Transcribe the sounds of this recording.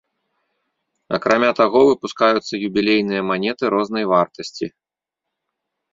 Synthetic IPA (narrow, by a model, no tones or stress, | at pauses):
ɐ̰kɾamʲat̪aɣɔvɨpuskajut̪sːɐjubʲilʲejn̪ɨjɐmanʲɛt̪ɨɾɔzn̪ɐjvart̪ɐsʲt͡sʲi